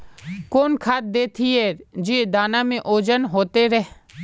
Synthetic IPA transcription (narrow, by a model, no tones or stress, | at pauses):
koːnkʰat̪̚d̪eːt̪ʰieːd͡ʒeːd̪aːnãːmẽʔoːd͡ʒənɦoːt̪eːɾɛɦ